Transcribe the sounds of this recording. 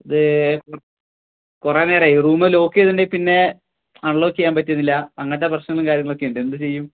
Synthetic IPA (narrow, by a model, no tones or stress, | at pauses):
iðɨk | kureneːreːjuruːmelo̞ːkːet̪iɳɖepinːe̞ | aɳloːkːikjaːnpɐt̬ːiɐnːilːɐɐŋːɐt̪ːeprɐɕnɐŋɐɭumkaːɾjɐŋːɐɭokːejuɳɖɨend̪ɨt͡ɕe̞jːum